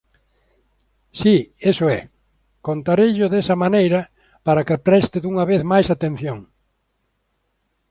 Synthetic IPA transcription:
siesʊɛ | kont̪aɾejʎʊðesɐmanejɾɐ | paɾɐkɪpɾɛst̪ɪðuŋɐβeθmajsat̪ẽn̟θjoŋ

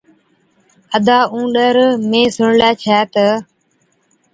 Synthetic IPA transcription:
əd̪aːʔũːɗəɾmẽːsʊɳlɛːt͡ʃʰɛːt̪ə

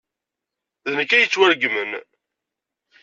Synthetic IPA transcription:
ðənəkːæjət͡sːwæɾɡmən

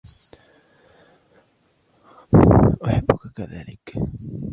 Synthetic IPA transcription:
ʔʊħabːʊkakaða̰ːlɪk

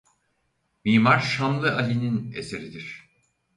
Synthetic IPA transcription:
miːmaɾʃanlˠɯʔalʲininḛse̞ɾid̪iɾ̥

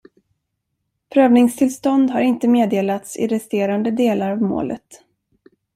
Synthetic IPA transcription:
pʰɾøːvnɪŋst̪ʰɪlst̪ɔnd̪ɦaɾɪnt̪əmeːd̪eːlat̪sɪ̰ɾɛst̪eːɾand̪əd̪eːlaɾavmo̰ːlʔə̰t̪

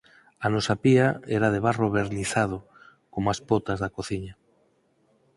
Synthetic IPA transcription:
anɔsapiaɛɾað̞eβ̞aroβeɾniθað̞o | komaspot̪azðakoθiɲa

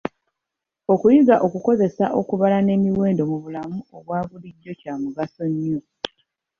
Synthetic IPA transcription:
o̞kujiɡaʔo̞kuko̞ze̞saʔo̞̰kuβalane̞ːmiwe̞ːndo̞muβulamuo̞βwaːβuliɟːo̞caːmuɡaso̞ɲːo̞

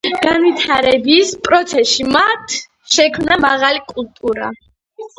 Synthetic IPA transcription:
ɡ̥anvit̪ʰaɾɛbispʼɾɔt̪sʰɛʃimat̪ʰ | ʃɛkʰmnamaʁalikʼult̪ʼuɾa̰

